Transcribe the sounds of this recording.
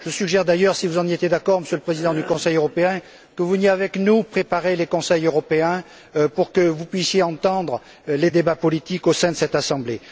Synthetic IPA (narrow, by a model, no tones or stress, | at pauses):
ʒ̥əsyɡʒɛʁd̪ajœʁsivuzɑ̃net̪jed̪akɔʁməsjələpχezid̪ɑ̃d̪ykɔ̃sɛjøʁɔpeɛ̃ | kəvunieavɛknupχepaʁelekɔ̃sɛjøʁɔpeɛ̃ | puʁkəvupɥisjeɑ̃t̪ɑ̃d̪ʁə | led̪ebapɔlit̪ikosɛ̃d̪əsɛt̪asɑ̃ble